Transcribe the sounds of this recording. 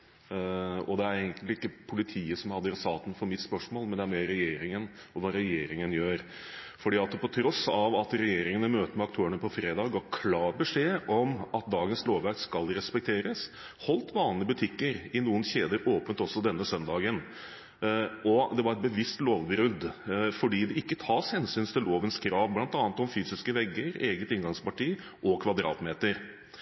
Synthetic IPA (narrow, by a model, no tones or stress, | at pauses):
ɔd̪ɛæɾɛɡənɪɪkːəpʰʊlɪt̪ʰiːəsɔmhɑd̪ːəɾɑsɑːt̪ən̩fɔɾmɪt̪spœʂmoːlmɛnd̪ɛæɾmeːɾɛjeːɾɪŋən | ɔʋɑɾɛjeːɾɪŋənjøːɾfɔɖiːɑt̪pʰɔt̪ʰɾɔsɑʋɑt̪ɾɛjeːɾɪŋənəmøːt̪əmɛɑkt̪ʰøːəɳəpɔfɾeːd̪ɑːɡɡɑkʰlɑːɾbəʂeːʔɔmɑt̪̚d̪ɑːɡənsloːʋʋæɾkskɑlɾɛspɛk̚t̪ʰeːɾəs | hɔlt̪ʋɑːnlɪəbʉt̪ʰɪkːəɾɪnuːənçeːd̪əɾoːpənt̪ɔsɔd̪ɛnːəsœnd̪ɑːɡən | ɔd̪ɛʋɑɾɛt̪̚bəʋɪst̪loːʋbɾʉd̪ːfɔɖiːd̪ɛɪkːət̪ʰɑːshɛnsyːnt̪ʰɪlloːʋənskʰɾɑːʋblɑnt̪ɑːnət̪ɔmfyːsɪskəʋɛɡːəɾeːɡət̪ɪŋɡɑŋspɑʈiː | ʔɔkʰʋɑd̪ɾɑ̰ːt̪meːt̪əɾ